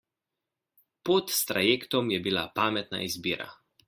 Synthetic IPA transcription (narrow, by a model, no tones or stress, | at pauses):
pot̪st̪ɾajeːkt̪ɔmjɛbilapaːmɛt̪na̰izbiːɾa̰